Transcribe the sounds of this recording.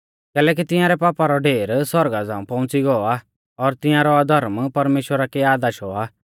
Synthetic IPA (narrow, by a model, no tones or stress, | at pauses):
kɛːlɛːk̬it̪ɪ̃jãɾɛpaːpaɾɔɖeːɾsɔɾɡad͡zãːũpɐ̃ʊ̃t͡siɡɔa | ɔɾt̪ɪ̃jãɾɔad̪ʱɐɾmpɐɾmeːʃwəɾakeaːd̪aʃɔa